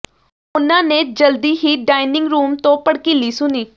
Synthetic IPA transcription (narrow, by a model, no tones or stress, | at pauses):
ʊnãːneːd͡ʒəld̪iːɦiːɖaːɪnɪ̃ŋɡɾuːmt̪õːpəɽkɪliːsʊniː